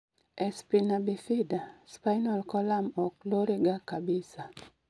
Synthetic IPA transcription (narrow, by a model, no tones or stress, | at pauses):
ɛspinabifidaspajnɔlkɔlamɔkloɾiɡakabisa